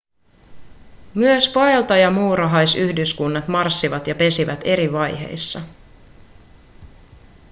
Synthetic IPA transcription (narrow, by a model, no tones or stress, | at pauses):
myøspoelt̪ɑjɑmuːɾɑɦɑjsyhdyskunːɑt̪mɑrsːiʋɑt̪jɑpe̞siʋæt̪e̞ɾiʋɑjɦe̞̰jsːɑ